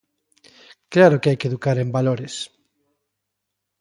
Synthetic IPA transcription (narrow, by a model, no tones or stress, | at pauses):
klaɾʊkeajkeðukaɾembaloɾes